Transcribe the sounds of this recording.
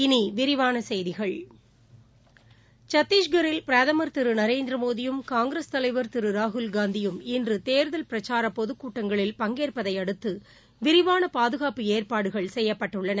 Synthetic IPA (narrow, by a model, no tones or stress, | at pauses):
ɪniʋɪɾɪʋaːnɐsɛjðɪɣɐɭ | t͡ʃɐt̪ːiːʂɡɐɾɪlpɪɾɐðɐmɐɾt̪ɪɾɯnɐɾeːnd̪ɾɐmoːðɪjɯmkaːŋɡɾest̪ɐlɐɪʋɐɾt̪ɪɾɯɾaːɦʊlɡaːnd̪ɪjɯmɪndrɯt̪eːɾðɐlpɪɾɐt͡ʃaːɾɐpɔðɯkːuːʈːɐŋɡɐɭɪlpɐŋɡeːrpɐðɐɪɐɽɯt̪ːɯ | ʋɪɾɪʋaːnɐpaːðɯɣaːpɯeːrpaːɽɯɣɐɭsɛjːɐpːɐʈːɯɭːɐnɐ